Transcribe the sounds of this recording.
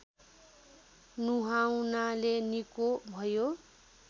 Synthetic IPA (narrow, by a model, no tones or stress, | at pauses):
nuɦawnalenikobʱʌjo